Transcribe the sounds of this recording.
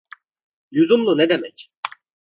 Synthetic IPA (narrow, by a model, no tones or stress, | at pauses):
juzumlˠunɛd̪emɛc